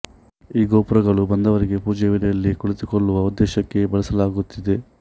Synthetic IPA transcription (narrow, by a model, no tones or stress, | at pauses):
iːɡoːpɾɐɡɐɭubɐnd̪ɐʋɐɾiɡe̞puːd͡ʒɛʋilɛjɐlːikuɭisikɔɭːuʋɐud̪ːɛːʃɐkːe̞bɐɭɐsɐlaːɡut̪ːid̪e̞